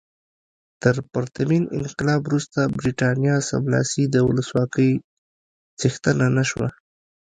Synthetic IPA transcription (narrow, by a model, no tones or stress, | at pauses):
t̪əɾpaɾt̪aminɪ̰nqɪlɑbɾust̪abɾiʈɑnjɑsa̰mlɑ̰sid̪əwʊ̰ləswɑkəj | t͡sixt̪ənanaʃwa̰